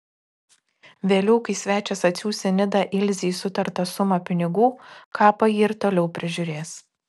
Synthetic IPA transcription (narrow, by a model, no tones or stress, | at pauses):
ʋʲeːlʲɛʊkɐɪsʲʋʲæːt͡ʃʲɛsɐt̪ʲsʲuːsʲɛnʲɪd̪ɐʔɪlʲzʲiːsʊt̪ɐɾt̪ɐsʊmɐpʲɪnʲɪɡuːkʰɑːpɐjiːɪɾt̪oːlʲɛʊpʲɾʲɪʒʲʊɾʲeːs